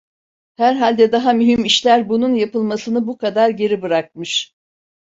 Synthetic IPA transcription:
hæɾɦalʲd̪ɛd̪aɦamyɦimiʃlʲæɾbununjapɯlˠmasɯnɯbukʰad̪aɾɟe̞ɾibɯɾak̚mɯʃ

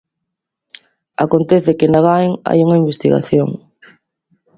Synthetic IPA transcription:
akont̪ɛθɪkɪnaɣajŋa̰juŋɐimbest̪iɣa̰θjoŋ

